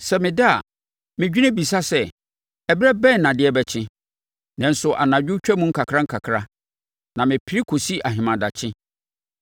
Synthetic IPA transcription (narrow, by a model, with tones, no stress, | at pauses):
sɛ˨mɪ̃˨dɪ˦a̰˨ | mɪ̃˨d͡ʑᶣi˦nɪ̃˦bi˨sa˦sɛ˨ | ɛ˨bɾɛ˦bɛ̃˦˨nː˨ã˨dɪ˦ɛ˦bɛ˨t͡ɕʰɪ̃˦ | nɛ̃˨n̩˨˦sʊ˨ʔa̰˨nã˨d͡ʑᶣɪ˦t͡ɕᶣɛ˦mũ˦ŋ̩˦kʰa˨kʰɾã˦ŋ̩˦kʰa˨kʰɾa˦ | nã˨mɪ̃˨pʰi˦ɾi˦kʰo˨si˦ʔa˨ɦɪ̃˨mã˨da˨t͡ɕʰɪ̃˦